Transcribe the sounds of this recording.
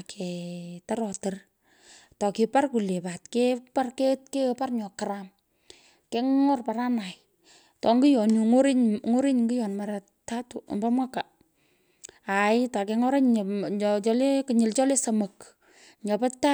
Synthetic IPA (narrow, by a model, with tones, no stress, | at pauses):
kʰɛ˨ta˦ɾɔ˨tə˨r | tɔ˨kɪ˨pa˦rku˨le˨pa˨tkeparke˦tke˦pa˦rɲɔ˨kaɾam | ke˦ŋɔ˦rpa˨ɾa˦na˨j | tɔ˨ŋɡi˦jɔ˨nŋo˦ɾɪ˦ɲŋo˦ɾɪ˦ɲŋɡi˦jɔ˨nma˨ɾa | ta˦tṵ˨mba˦mwa˦ka˨ | a˨ɪta˨kɛ˧ŋɔ˦ɾa˦ɲ | t͡ʃɔ˦le˦kɪ˨ɲɪ˨lt͡ʃɔ˦le˦sə˨mə˨k | ɲɔ˨pa˦ta˦